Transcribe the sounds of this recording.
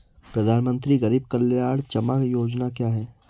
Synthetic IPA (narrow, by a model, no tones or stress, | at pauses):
pɾɐd̪ʱaːnmə̃nt̪ɾiɣɐɾiːb̚kɐlːjaːɽt͡ʃɐmakjoːd͡ʒnakjaːɦɛː